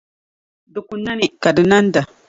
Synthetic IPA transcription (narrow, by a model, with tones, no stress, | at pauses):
du˨ku˨nːa˦ni˦ka˨dɪ˨na˦n˦da˨